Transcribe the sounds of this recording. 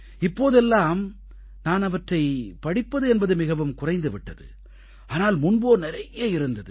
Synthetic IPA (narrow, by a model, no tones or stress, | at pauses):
ɪpːoːðɛlːaːm | naːnɐʋɐʈrɐɪpɐɽɪpːɐðɯɛnbɐðɯmɪɣɐʋɯmkʊrɐɪnd̪ɯʋɪʈːɐðɯ̰ | ɐːnaːlmʊnboːnɪɾɐjeːɪɾɯnd̪ɐðɯ